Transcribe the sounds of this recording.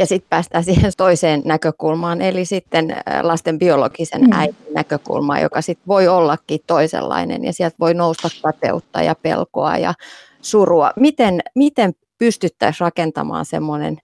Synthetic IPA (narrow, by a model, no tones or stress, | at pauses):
jɑsit̪̚pæːst̪æːsiːhent̪oiseːnnækøkulmɑːnelisit̪ːenlɑst̪embiolo̰ɡ̥isḛnæit̪innækøkṵlmɑ̰ːjo̰kɑsit̪ʋoiolːɑkːiːtt̪oisḛlːɑ̰inḛnjɑ̰siɛlt̪ʋoinoust̪ɑkkɑt̪ḛut̪ːɑ̰jɑpḛlko̰ɑ̰jɑ̰ | suruɑmit̪enmit̪em | pyst̪yt̪ːæisrɑkent̪ɑ̰mɑ̰ːnsḛmːonḛn